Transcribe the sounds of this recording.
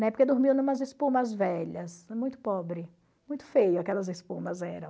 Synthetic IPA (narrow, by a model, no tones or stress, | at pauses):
nɛpoɾked̪oɾmiwnũmɐzespũmɐzvɛʎɐsmũj̃t̪ʊ̥pɔbɾɪ | mũj̃t̪ʊ̥fejʊakɛlɐzespũmɐzɛɾɐ̃w̃